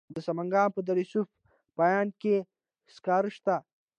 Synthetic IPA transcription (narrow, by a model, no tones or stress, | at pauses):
d̪əsɐmɐŋɡaːmpəd̪ɐɾisuf | pajaːnke | skaːɾʃt̪a